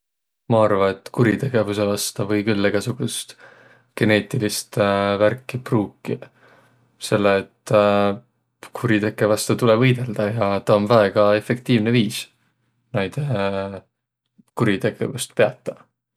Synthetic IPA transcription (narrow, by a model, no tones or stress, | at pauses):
mɑɑrvɑet̪ːkuɾit̪e̞ɡ̥e̞vuse̞vɑst̪ɑvɤjkylːeɡ̥ɑsuɡ̥ust̪ | ɡ̥e̞ne̞ːt̪ˑilist̪værkːipruːkːi | se̞lːeːt̪ː | kʰuɾit̪e̞kːˑe̞vɑst̪ɑt̪ulevɤjd̪̥e̞ld̪̥ɑjɑt̪ɑonvæe̞ɡ̥ɑe̞fe̞k̚t̪iːvneviːs | nejd̪̥e | kuɾit̪e̞ɡ̥e̞vust̪pe̞ɑt̪ːˑɑ